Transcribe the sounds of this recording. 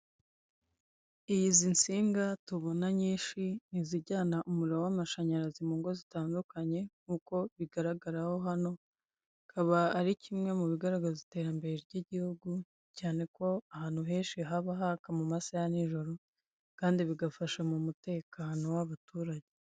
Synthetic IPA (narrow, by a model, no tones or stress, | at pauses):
ijizinsiːŋɡatuβo̞naɲiːnʃiniziɟaːnaʔumuɾiɾowamaʃaɲaɾazimuːŋɡo̞zitaːndukaɲe̞ŋuko̞βiɡaɾaɡaɾaho̞ɦano̞ | kʰaβaːɾicʰimŋe̞muβiɡaɾaɡazite̞ːɾambe̞ɾeɾjɟiɟihuɡu | caːne̞ko̞ahaːn̥huɦe̞ːnʃiɦaβaɦakamumasajaniʒo̞ɾo̞ | kaːndiβiɡafaʃamumute̞ːkano̞waβatuːɾaɟe